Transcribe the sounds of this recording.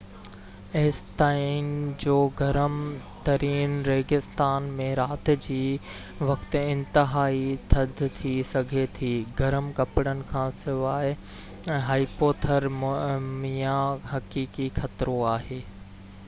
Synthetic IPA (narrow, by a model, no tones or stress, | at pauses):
eɪst̪aːind͡ʑoːɡɐɾəmt̪ɐɾiːnɾeːɡɪst̪aːnmẽɾaːt̪ɪ̆d͡ʑiː | ʋɐkt̪̆ɪ̃nt̪ɪɦaːit̪ʰɐd̪ʱt̪ʰisɐɡʱet̪ʰiːɡɐɾəmkɐpɪɽənɪ̆kʰãːsɪʋaːɪ | ɦaːipoːt̪ʰəɾmmijãɦɐkiːkixɐt̪ɾoaːɦeː